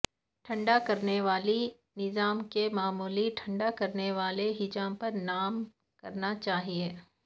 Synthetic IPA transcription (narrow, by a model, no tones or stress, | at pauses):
ʈʰɐ̃ɳɖakɐɾneʋaːli | nɪzaːmkemaːmuːliʈʰɐ̃ɳɖakɐɾneʋaːleɦɪd͡ʒaːmpɐɾnaːm | kɐɾnat͡ʃaːɦieː